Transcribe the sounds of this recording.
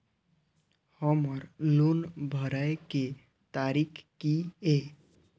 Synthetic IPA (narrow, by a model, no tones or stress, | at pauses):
həməɾlonbʱəɾəke | t̪aɾikʰkie